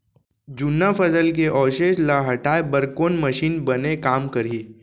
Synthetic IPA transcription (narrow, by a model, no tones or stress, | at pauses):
d͡ʒʊnːapʰɐsəlk̬eʔɔːʃeːʃlaɦɐʈaːebəɾkoːnməʃiːnbɐnekaːmkɐɾi